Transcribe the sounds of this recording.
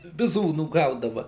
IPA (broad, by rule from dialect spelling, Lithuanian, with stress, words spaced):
bʲɪˈzuːnuː ˈɡɐʊdɐʋɐ